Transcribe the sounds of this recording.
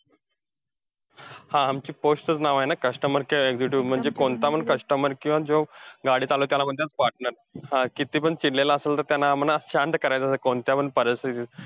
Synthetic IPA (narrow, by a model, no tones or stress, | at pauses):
hãːmt͡ɕiːposʈ̪ət͡snaʋajnakəʂʈəməɾkeeɡd͡ziʈjuːm̤əɳd͡zekoɳt̪apəɳkəʂʈəməɾkĩwʋad͡zoɡaɽiːt͡salot̪̬jalaməd̪ʱːjat͡spaʈ̚nəɾ | hãkit̪iːpəɳt͡siɽlelaəselt̪əɾt̪janːam̤ənasand̪kəɾajt̪asəkoɳt̪japəɳpəɾist̪it̪i